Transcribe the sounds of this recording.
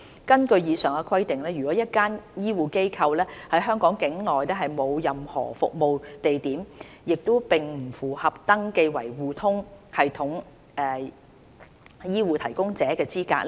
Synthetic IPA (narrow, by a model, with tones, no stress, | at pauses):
kɐ˥nkɵ˧ɥjiː˨˧sœː˨˩ŋkɛ˧kʰwɐ˥jt̪ɪ˨ŋlɛː˥jy˨˩kɔː˨˥jɐ˥t̚kaː˥njiː˥wuː˨˩ke˥jkʰɐ˧wlɛː˥hɐ˨˥jɦœː˥ŋkɔː˨˥ŋkɪ˨˥ŋlɔː˨jlɛː˥ɦɐ˨jmo˨˧wjɐ˨mhɔ̰ː˨˩fʊ˨k̚mo˨wt̪e˨jt̪iː˨˥m | jɪ˨k̚t̪o˥wpɪ˨ŋm̩˨˩fuː˨˩hɐ˨p̚t̪ɐ˥ŋke˧jwɐ̰˨˩jwuː˨˩t̪ʰʊ˥ŋhɐ˨jt̪ʰʊ˨˥ŋ | ɛ˨ | jiː˥wuː˨˧t̪ʰɐ˨˩jkʊ˥ŋt͡sɛː˨˦˥kɛː˧t͡siː˥ka̰ː˧k̚lɛ˥